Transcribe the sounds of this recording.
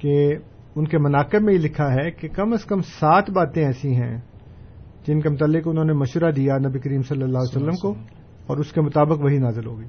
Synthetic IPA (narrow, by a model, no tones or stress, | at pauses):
ke | ʊnkemɐnaːqɪbmẽjelɪkʰaɦɛkekɐməskɐmsaːt̪ʰbaːt̪ẽɛːsĩɦɛ̰̃ | d͡ʒɪnkemʊt̪aːlːɪkʊnɦõːnemɐʃʋəɾad̪ijanɐbikɐɾiːmsɐlːəlːaːɦsɐlːəmko | ɔːɾʊskemʊt̪aːbəkʋɐɦinaːzɪlɦoːɡiː